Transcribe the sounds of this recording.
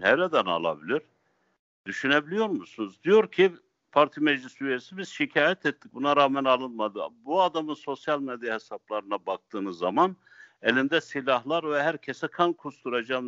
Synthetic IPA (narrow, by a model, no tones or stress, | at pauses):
nɛɾɛd̪æna̰lˠa̰bilʲiɾ̥ | d̪yʃynebilʲijo̞ɾmusunuzd̪ijo̞ɾcʰi | pʰaɾt̪ʰimed͡ʒlʲisyɾɛsibiz̥ʃicʰaːjɛt̪ʰɛt̪ːic̚bunaɾaːmænalˠɯnmad̪ɯ̰buad̪amɯnso̞sjalʲmed̪jahesaplˠaɾɯnabak̚t̪ɯːnɯzːaman | elʲind̪ɛsilʲahlˠaɾvɛɦæɾcʰesɛkʰankʰust̪uɾad͡ʒam